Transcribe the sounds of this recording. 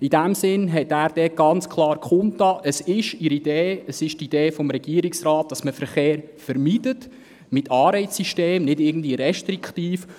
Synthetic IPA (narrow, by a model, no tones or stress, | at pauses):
id̥æmsɪnɦɛtæːɾd̥ɛɡ̥ɑnt͡skʰχlˠɑːɾkχʊntɑːʔəsɪʃiɾid̥eːəsɪʃtid̥eːfɔmɾɛɡ̥iəɾɪksrɑːt̚d̥ɑsməfəɾχeːɾfəɾmidət | mɪtʰɑːɾɛɪsiʃteːmnɪdɪɡən̩dviəɾɛʃtrikχtiːf